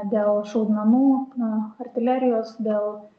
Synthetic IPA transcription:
d̪ʲeːlˠʃɔʊd̪nɐmuːɐrʲt̪ʲɪlʲæɾʲɪjoːsd̪ʲeːlˠ

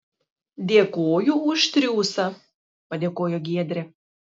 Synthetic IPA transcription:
d̪ʲeːkoːjʊʊʃt̪ʲɾʲuːsɐ | pɐd̪ʲeːkoːjoɡʲiɛd̪ʲɾʲɛ

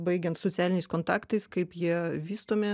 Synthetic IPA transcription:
bɐɪɡʲɛnt̪sot̪sʲæːlʲɪnʲɛɪskoːnt̪ɑːkt̪ɐɪskɐɪpjiɛʋʲiːst̪oːmʲɪ

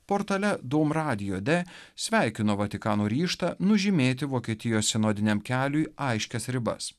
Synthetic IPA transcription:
poːɾt̪ɐlʲɛd̪oːmɾɑːd̪ʲɪjoːd̪ʲesʲʋʲæˑɪkʲɪnoːʋɐt̪ʲɪkɑːnoːɾʲiːʃt̪ɐnʊʒʲɪmʲeːt̪̬ʲɪʋoːkʲiɛt̪ʲɪjoːsʲsʲɪnoːd̪ʲɪnʲɛmkʲæːlʲʊjɐɪʃʲkʲɛsɾʲɪbɐ̰s

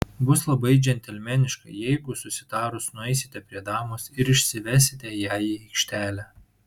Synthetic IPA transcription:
bʊslˠɐbɐɪd͡ʒʲɛnʲt̪ʲɛlʲmʲɛnʲɪʃkɐ̰jɛɪɡʊsʊsʲɪ̥d̪ɑːɾʊsnʊɛɪsʲɪ̥t̪ʲɛpʲɾʲiɛd̪ɑːmoːsɪɾɪʃʲsʲɪʋʲæːsʲɪt̪ʲɛjæːjiɛɪkʃʲt̪ʲæːlʲæ

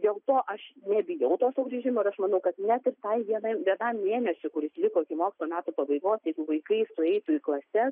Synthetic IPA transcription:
d̪ʲeːlˠt̪oːʔɐʃnʲɛbʲɪjɛʊt̪oːsʊɡɾʲiʒʲɪmoːɪɾɐʃmɐnɐʊkɐt̪nʲɛt̪ɪrt̪ɐɪʋʲiɛnɐɪmʋʲiɛnɐmːʲeːnʲɛsʲʊkʊɾʲɪsʲlʲɪkoːɪkʲɪmoːkʲst̪lˠoːmʲæːt̪upɐbɐɪɡoːsjɛɪɡʊʋɐɪkɐɪsʊɛɪt̪ʊiklˠɐsʲɛs

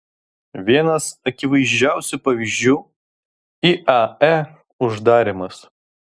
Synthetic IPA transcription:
ʋʲiɛnɐsɐkʲɪʋɐɪʒʲd͡ʒʲæˑʊsʲʊpɐʋʲiʒʲd͡ʒʲuː | iʔɐæ | ʊʒd̪ɑːɾʲɪmɐs

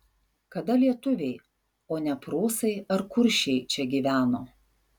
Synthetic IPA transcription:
kɐd̪ɐlʲiɛt̪ʊʋʲɛɪ | oːnʲɛpɾoːsɐɪɐɾkʊɾʲʃʲɛɪt͡ʃʲɛɡʲiːʋʲæːnoː

